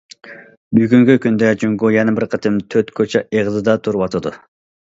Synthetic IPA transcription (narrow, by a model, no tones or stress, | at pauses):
byɡʲyŋkʲykʲynd̪ɛd͡ʒyŋɡojɛnɨbɪɾqʰət̪ʰɨmt̪ʰøɾt̪kʰøt͡ʃʰɛʔeʁzɨd̪ɑt̪ʰuɾuwɑt̪ʰɨd̪u